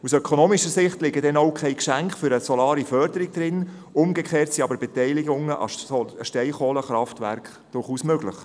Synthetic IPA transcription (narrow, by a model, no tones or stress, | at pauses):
usœkʰonoːmiʃəsɪχtlɪɡədɛnoʊkʰχɛɪkʃæŋkχfʏɾəsɔlɑːɾifœɾd̥əɾiɡ̚d̥̪ɾɪn | ʊmɡəkχeːrtsiɑbəɾbɛtɛɪlɪɡʊŋəʔɑ̰ɔʃtɛɪχoːləχɾɑftvæ̰ɾkχ | d̥ʊrχuːsmøɡləχ